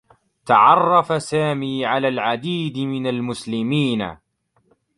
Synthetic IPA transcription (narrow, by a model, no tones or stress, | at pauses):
t̪ɑʕɑrˤːɑfasaːmiːʕalaːlʕad̪iːd̪mɪnalmʊslɪmiːna̰